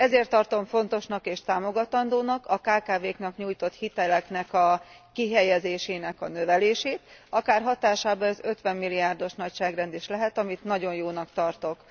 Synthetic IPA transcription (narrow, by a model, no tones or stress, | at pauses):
ɛzeːrt̪ːɒrt̪o̞ɱfo̞nt̪o̞ʃnɒkeːʃt̪aːmo̞ɡɒt̪ɒnd̪oːnɒkɒkaːkaːveːknɒkɲuːjt̪o̞t̪hit̪ɛlɛknɛkɒ | kiɦɛjɛzeːʃeːnɛkɒnø̞vɛleːʃeːt̪ɒkaːrɦɒt̪aːʃaːbɒɛzø̞t̪ʋɛmːilːiaːrd̪o̞ʃnɒcʃaːɡrɛnd̪iːʃlɛɦɛt̪ɒmit̪nɒɟo̞njoːnɒkt̪ɒrt̪o̞k